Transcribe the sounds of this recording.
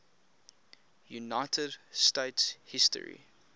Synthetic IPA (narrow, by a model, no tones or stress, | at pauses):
junaɪtʰədsteɪtshɪstə̰ɹḭ